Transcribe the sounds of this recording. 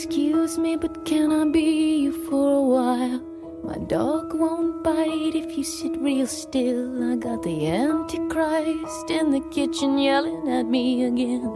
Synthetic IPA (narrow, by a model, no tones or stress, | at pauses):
kskjʉzmibʌt̚kʰɨ̃ñaɪbijɨfə˞əwaɪɪlˠ | ma̰ɪdɔɡwõʊ̃nt̚b̥aɪɾɨfjɨsɪt̚ɹilˠstɪlˠaɪɡɑt̪̚ðiæ̃ntʰɨkʰɹ̥aɪstɪ̃nðɨkʰɪt͡ʃɨ̃njɛlˠɪ̃nɨt̚miɨɡɛ̃n